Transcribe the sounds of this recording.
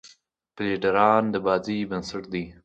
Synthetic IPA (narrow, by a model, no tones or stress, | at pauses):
pliɖaɾɑːnd̪əbɑːd͡zijbənsɪʈ̚d̪i